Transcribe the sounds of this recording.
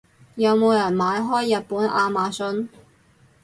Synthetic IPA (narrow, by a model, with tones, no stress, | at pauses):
jɐ˨˧wmo˨˧wjɐ˨˩nmaː˨˧jɦɔː˥jːɐ˨t̚puː˨˥nʔaː˧maː˨˧sɵ˧n